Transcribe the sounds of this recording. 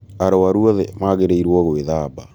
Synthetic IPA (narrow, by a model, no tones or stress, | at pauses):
aɾɔwaɾuɔðɛmaɣeɾeiɾwɔɣoeðaːba